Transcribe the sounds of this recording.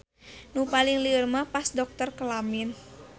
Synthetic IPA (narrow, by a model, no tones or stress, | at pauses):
nupaliŋlirmapasdɔk̚t̪ərkəlamin